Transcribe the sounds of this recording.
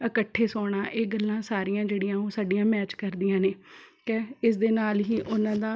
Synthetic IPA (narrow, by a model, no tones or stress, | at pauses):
əkəʈʰːeːsɔːɽaːʔeːɡəlːãːsaːɾijãːd͡ʒeːɽɪjãːoːsaːɖijãːmɛːt͡ʃkəɾd̪ijãːneːkɛːɪs̬d̪eːnaːlɦiːʔʊnãːd̪aː